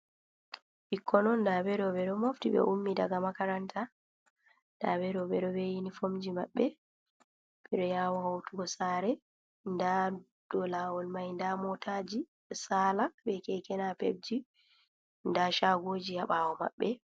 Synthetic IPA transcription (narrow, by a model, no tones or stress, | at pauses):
ɓikʰːɔnɔndabɛɾɔɓɛɗɔmoftiɓɛ̰ʔumːidaɡamakaɾantʰa | nda̰bɛɾɔɓɛɗɔbɛjinifomd͡ʒimaɓːɛ | ɓ̥ɛɗɔjawɔhawtuɡɔsaɾɛ | nda | d̥ɔlawɔlmajndamɔtad͡ʒi | salabɛkɛkɛnapḛb̚d͡ʒi | ndaʃaɡod͡ʒihaɓawɔma̰ɓːɛ